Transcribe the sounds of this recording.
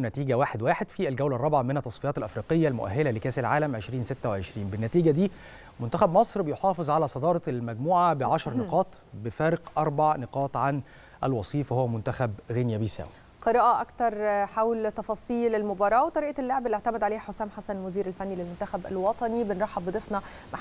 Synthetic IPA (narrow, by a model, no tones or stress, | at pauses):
næt̪iːɡæwaːħed̪waːħed̪fiælɡæwlærˤːɑbʕamenæt̪ːɑsˤfijɑːt̪ælʔæfɾiːqejːælmoʔæ̰ɦːelælekæːsælʕaːlæmʕeʃɾiːnset̪ːæweʕeʃɾiːnbenːæt̪iːɡæd̪iː | mʊnt̪æxæbmɑsˤɾbejoħɑːfezˤʕalæːsˤɑd̪ɑːɾˤɑlmæɡmuːʕabeʕaʃɑɾˤneqɑːt̪ˤ | befæːɾɪqʔɑɾˤbaʕneqɑːt̪ˤʕan | ʔælwɑsˤiːfhowːæmʊnt̪æxæbɣenjæbejsæ̰ːwi | qɨɾˤɑːʔɑʔɑkt̪ɑɾˤħawlt̪ɑfɑːsˤiːlelmobɑːɾˤɑːwet̪ˤɑɾiːʔælːoʕbælʔeʕt̪æmæd̪ʕaleːhħosæːmħasænmʊziːɾælfænːilelmʊnt̪æxæbælwɑt̪ˤɑnibenɾˤɑħːɑbbːɨd̪ˤefnɑ | maħ